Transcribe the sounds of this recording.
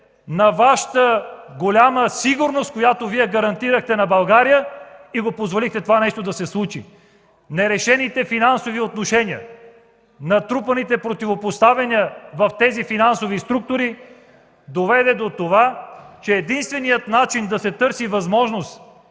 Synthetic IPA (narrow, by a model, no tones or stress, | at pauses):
nɐvaʃə̥t̪əɡolʲaməsiɡuɾnost̪̚kojat̪oviɛɡɐɾɐnt̪iɾəxt̪ɛnɐbɐlˠɡaɾijəiɡopozvolixt̪ɛt̪ovanɛʃt̪od̪ɐsɛslˠut͡ʃḭ | nɛɾɛʃɛnit̪ɛfinansoviot̪noʃɛniə̰ | nɐt̪ɾupənit̪ɛpɾot̪ivopost̪avɛniəvɐft̪ɛzifinansovist̪ɾuk̚t̪oɾi | d̪ovɛd̪ɛd̪ot̪ovat͡ʃɛːd̪inst̪vɛnijət̪nat͡ʃind̪ɐsɛt̪ɤɾsivɐzmɔʒnost̪